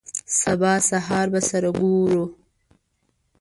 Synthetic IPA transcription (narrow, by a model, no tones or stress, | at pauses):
sabɑsaɦɑːɾbasaɾaɡoɾu